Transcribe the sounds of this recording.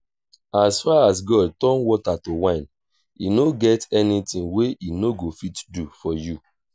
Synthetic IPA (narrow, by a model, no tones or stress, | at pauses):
asfaas̬ɡɔd̚tɔ̃nwɔtatowãɪ̃n | inoɡɛtɛnitĩŋweinoɡofitdufɔju